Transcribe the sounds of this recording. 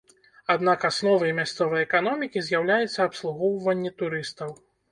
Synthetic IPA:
ad̪nakasnɔvɐjmʲast̪sɔvɐjɛkanɔmʲikʲizʲjawlʲajɛt̪sːɐːpslˠuɣɔwvɐnʲːɛt̪uɾɨst̪ɐw

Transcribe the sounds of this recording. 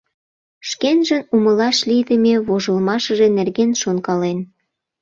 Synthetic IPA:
ʃkenʒənuməlɑʃlid̪əmʲeβoʒəlmɑʃə̆ʒenerɣenʃonkɑlen

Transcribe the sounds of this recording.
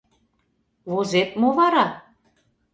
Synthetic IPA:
vozet̪moβɑɾɑ

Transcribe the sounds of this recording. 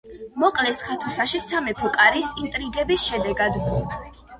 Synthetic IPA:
mɔkʼlɛsχat̪ʰusaʃisamɛpʰɔkʼaɾisint̪ʼɾiɡɛbisʃɛd̪ɛɡad̪mɔ

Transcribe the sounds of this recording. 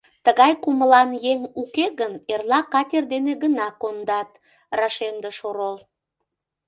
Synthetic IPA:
t̪əɣɑjkuməlɑnjeŋukeɣənerlɑkɑtʲerd̪eneɣənɑkond̪ɑt̪ | rɑʃemd̪eʃoɾol

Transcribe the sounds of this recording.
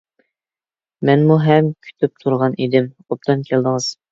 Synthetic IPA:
mɛnmuɦɛmkʲʰy̥t̪ʰyp̚t̪ʰuɾʁɑnʔid̪ɪm | op̚t̪ʰɑnkʲʰelˠd̪ɨŋɨz̥

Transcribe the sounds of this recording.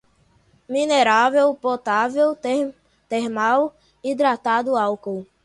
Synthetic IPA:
mineɾavewpot̪avew | t̪eɦmaw | id̪ɾat̪ad̪ʊawkow

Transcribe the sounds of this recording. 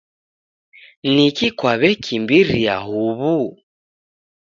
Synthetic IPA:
nikikwaβɛkʰimbiɾia̰ɦuβu

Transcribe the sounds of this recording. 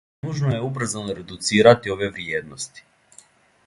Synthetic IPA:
uʒnojeubɾ̩zanoɾe̞d̪ut̪siːɾat̪io̞ʋe̞ʋɾjeːd̪nost̪i̥

